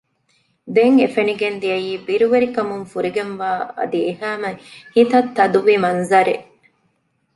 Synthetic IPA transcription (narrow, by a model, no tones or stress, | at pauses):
d̪eŋefeniɡend̪iɐjiːbiɾuʋeɾikɐmuŋfuɾiɡenʋaːɐ̰d̪iehæːmɐhit̪ɐt̪ːɐd̪uʋimɐnzɐɾeʔ